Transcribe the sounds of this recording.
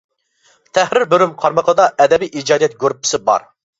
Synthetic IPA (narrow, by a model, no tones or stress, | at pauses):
t̪ʰɛhɾɪɾbøɾymqʰɑɾməqʰəd̪ɑʔɛd̪ɛbijʔid͡ʒɑːd̪ijɛt̪ɡʲøɾpʰɪ̥sɪbɑ̰ɾ